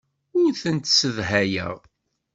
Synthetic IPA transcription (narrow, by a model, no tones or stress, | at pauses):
ʊɾθənt̪səvɦæjə̰ʁ